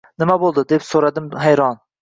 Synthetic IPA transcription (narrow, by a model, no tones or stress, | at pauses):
nɪmɛbolˠd̪ɨd̪epsoɾɑd̪ɪmɦæjɾɑn